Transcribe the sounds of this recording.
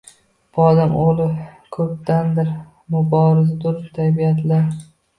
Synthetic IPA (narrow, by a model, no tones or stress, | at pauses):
b̥ɒd̪amolˠɪ | kʰɵp̚t̪and̪ɪɾ | mʊbɒɾɪzad̪ʊɾt̪ʰabijat̪ʰlaɾ